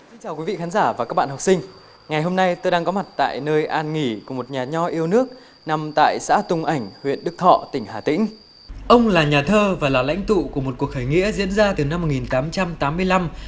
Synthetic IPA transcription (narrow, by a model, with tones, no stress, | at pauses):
si˧ŋ̟t͡ɕaː˨˩wki˨˦vḭ˧˨xaː˨˦nzaː˧˩vaː˨˩kaː˦˥k̚ɓa̰ː˧˨hw̚k͡psï˧ŋ̟ | ŋa˨˩jɦo˧mna˧jt̪oː˧jɗaː˧ŋkɔ˨˦ma˨˩t̚t̪a̰ː˧˨jnəː˧jʔaː˧nŋi˧˩ku˧˩əmo˨˩t̚ɲaː˨˩ɲɔ˧ʔi˧əwnɨ˦˥ək̚ | na˧mt̪a̰ː˧˨jsa̰ː˧˥t̪ʊ˧ŋ͡mʔa˧˩jŋ̟hwḭ˧˨ənɗɨ˦˥k̚t̪ʰɔ̰˧˨t̪ï˧˩ŋ̟haː˧˩t̪ḭ̈˧˥ŋ̟ | ʔə˧wŋ͡mlaː˨˩ɲaː˨˩t̪ʰəː˧vaː˨˩laː˨˩la̰˧˥jŋ̟t̪ṵ˧˨ku˧˩əmo˨˩t̚ku˨˩ək̚hʰəː˧˨˩jŋḭ˧˥əzḭ˧˥ənzaː˧t̪ɨ˨˩na˧mːo˨˩t̚ŋi˨˩nt̪aː˨˦mt͡ɕa˧mt̪aː˨˦mːɨ˧əjla˧m